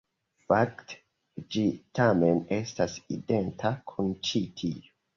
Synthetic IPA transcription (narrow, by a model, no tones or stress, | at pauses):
fakt | d͡ʒitʰamene̞stasḭdentʰakʰunt͡ʃitʰio